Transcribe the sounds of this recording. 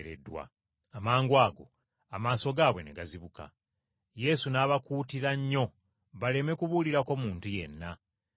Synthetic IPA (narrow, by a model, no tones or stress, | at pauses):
ɾḛdːwa̰ː | maːŋɡwaːɡo̞̰ | amaːso̞ɡaːβwe̞neɡaziβuka̰ | je̞sunaːβakuːtiɾaɲːo̞ | βale̞me̞kuβuliɾako̞muːntuje̞̰nːa